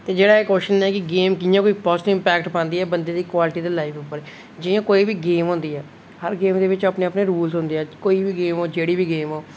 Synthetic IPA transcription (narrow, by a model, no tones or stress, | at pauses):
t̪eːd͡ʒeːɽaːeːkoːʃɪʃnaːkɪɡeːmkɪjãːkoːiːpɔːsɪɪmpɛːkʈpãːnd̪iːɛːbənd̪ẽːd̪iːkwaːlɪʈiːd̪eːlaːifʊpːəɾ | d͡ʒɪjãːkoːiːbiːɡeːmɦõːnd̪iːɛː | həɾɡeːmd̪eːʋɪt͡ʃapneːəpneːɾuːlzɦʊ̃nd̪eɛːkoːiːbiːɡeːmɦoːd͡ʒeːɽiːbiːɡeːmoː